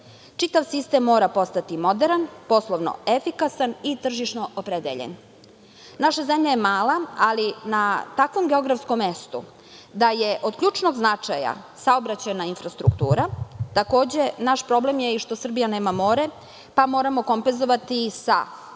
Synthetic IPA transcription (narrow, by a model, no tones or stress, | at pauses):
t͡ʂit̪aʋsist̪e̞mːo̞ːɾapo̞st̪at̪imo̞d̪eɾanpo̞slˠoʋno̰efikasanit̪r̩ʒiʃno̞ʔopɾed̪ḛʎḛn | naʃazemʎajemaːlaalinat̪akʋo̞mɡeo̞ɡɾafsko̞mːest̪ṵ | d̪ajeʔo̞d̪kʎʲuːt͡ʂno̞ɡznat͡ʂaja̰ | saobɾat͡ɕanainfɾast̪ɾukt̪ṵːɾat̪ako̞ːd͡ʑe̞naʃpɾo̞blemjeiʃt̪o̞sr̩bijaneːmamo̞ːɾe | pamo̞ːɾamo̞ko̞mpenzo̞ʋat̪isa̰